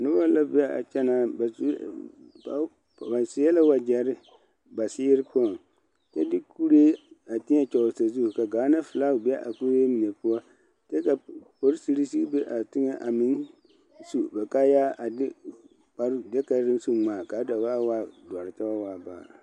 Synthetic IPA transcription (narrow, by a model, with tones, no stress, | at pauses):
nʊ˦ba˦la˦bi˦ɛ˦a̰˨t͡ʃɛ˦naː˦ba˨s | a˨ | ba˨sɪ˦ɛ˦la˦wa˨d͡ʒɛ˨ɾɪ˦ | ba˨sɪ˦ɾɪ˦pɔ˦˨n | t͡ʃɛ˦dɪ˦ku˦ɾeː˦a˨tɪ˦ɲɛ˦t͡ʃɔ˨ʊ˨sa˨zu˦hka˨ɡaː˨˦na˦fɨ˨laː˦ʊ˨bɪ˦a˦ʔa˨ku˦ɾe˦mi˨nɛ˨pʊ˦ɔ˦ | tɛ˦ka˨po˨ɾsi˨ɾi˦si˦be˦ʔa˨tɪ˦ŋɛ˦ʔa˨mɪ˦n | su˦bɛ˨ka˦jaː˦a˨dɪ˦ | k͡pa˨ɾdɛ˦ka˦ɾɾɪ˦su˦ŋ͡maː˨ka˨˦da˨ba˦waː˦dɔ˨ɾɪ˨ta˦a˦waː˨ba̰ː˨